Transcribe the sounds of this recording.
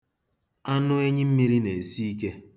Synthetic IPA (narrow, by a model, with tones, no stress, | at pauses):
a˦nʊ˦e˦ɲɪ˦m̩˦mi˦ɾi˦ne˨e˨si˦i˦ke˦